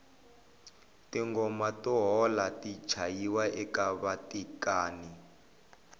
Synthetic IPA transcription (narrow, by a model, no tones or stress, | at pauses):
tiŋɡɔmatɔɦɔlati̥t͡ʃʰajiwaʔɛkaβatikaːni